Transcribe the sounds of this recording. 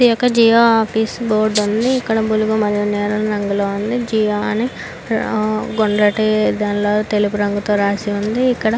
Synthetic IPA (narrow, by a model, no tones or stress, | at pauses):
d̪ijɔkːɐd͡ʒiːjoːaːpisboːɾɖund̪iːkːɐɽɐbuluɡumɐd̪jɐnɛːɾɐnɐɾɐŋɡuloːund̪id͡ʒiːjoːɐni | ɡoɳɖɾɐʈid̪ɐnloːt̪elup̬uɾɐŋɡut̪oːɾaːsiund̪iːkːɐɽɐ